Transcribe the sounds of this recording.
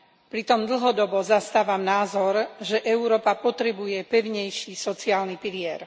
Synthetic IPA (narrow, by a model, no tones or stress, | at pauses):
pɾit̪ɔmd̪l̩ɦɔd̪ɔbɔzast̪aːʋamnaːzɔɾʒɛʔɛuɾɔːpapɔt̪ɾɛbujɛpɛʊɲɛjʃisɔt͡siaːlnipilɪɛɾ